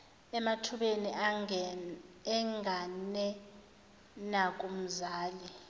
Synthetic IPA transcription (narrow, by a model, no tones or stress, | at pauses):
ɛmatʰuɓeni | ɛŋɡʱanɛ | nakʼum̩zaːli